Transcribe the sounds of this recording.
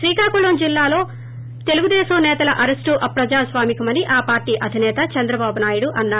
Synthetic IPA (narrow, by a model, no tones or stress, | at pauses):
ʃɾiːkaːkulond͡ʒilːaːlo̞ː | t̪e̞luɡud̪ɛːsɐmnɛːt̪ɐlɐʔɐɾesʈuʔɐpɾɐd͡ʒaːsʋaːmikɐmɐniʔaːpaːɾʈiːʔɐd̪ʱinɛːt̪ɐt͡ʃɐnd̪ɾɐbaːbunaːjuɽuʔɐnːaː